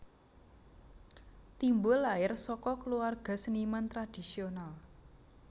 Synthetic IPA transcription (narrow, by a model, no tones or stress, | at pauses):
t̪imbʊlːaɪrsɔkɔkəluarɡ̥a̤sənimant̪ɾad̪̥i̤sional